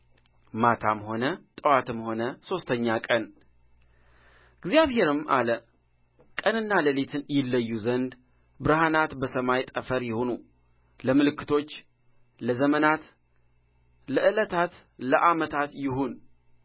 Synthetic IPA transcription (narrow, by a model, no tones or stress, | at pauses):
mat̪ʰa̰mho̞nət̪ʼəwat̪ʰɨmho̞nəso̞st̪ʰəɲːakʼən | ɨɡzijaβhe̞ɾɨmʔa̰lə | kʼənɨnːaləlet̪ʰɨnjɪlːəjːuzənd̪ | bɨɾhanat̪bəsəmajt̪ʼəfəɾjɪho̞nu | ləmɨlɨkːɨ̥t̪ʰo̞t͡ʃː | ləzəmənat̪ | ləʔɨlət̪ʰat̪ | ləʔamət̪ʰat̪jɪɦun